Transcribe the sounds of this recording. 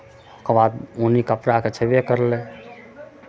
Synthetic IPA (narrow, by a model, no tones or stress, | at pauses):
okebad̪onikəpɾaket͡ʃʰəbjekəɾlɛ